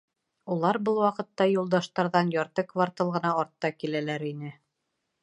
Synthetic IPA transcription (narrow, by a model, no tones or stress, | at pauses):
ulˠɑɾbɤlˠwɑqɤ̆t̪ːɑjulˠd̪ɑʃt̪ɑɾðɑnjɑɾt̪ɤkvaɾt̪ɤlˠʁɤ̆nɑːɾt̪ːɑkilælæɾinɘ